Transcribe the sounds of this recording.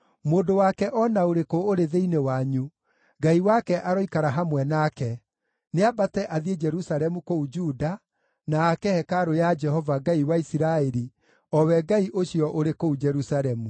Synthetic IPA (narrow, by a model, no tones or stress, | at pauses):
moːdowakɛʔɔnaoɾekooɾeðeinewaɲu | ɡaiwakɛʔaɾɔikaɾaɦamwɛnakɛ | neabatɛʔaðied͡ʒɛɾusaɾɛmukoud͡ʒuːda | naːkɛhɛkaɾojad͡ʒɛhɔvaɡaiwaisiɾaɛɾi | ɔwɛɡaiʔoɕiɔʔoɾekoud͡ʒɛɾusaɾɛmu